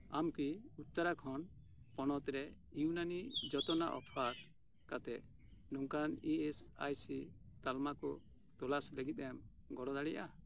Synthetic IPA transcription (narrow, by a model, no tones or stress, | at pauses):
amkiut̪̚t͡ʃaɾakʰɔn | pɔnɔt̪ɾɛ | junanid͡ʒɔt̪ɔna̰ʔɔ̰pʰaɾ | kat̪ɛʔ | nɔŋkaniesa̰jsit̪almakɔ | t̪ɔlasləɡit̪̚ˀɛm | ɡɔɽɔd̪aɽɛja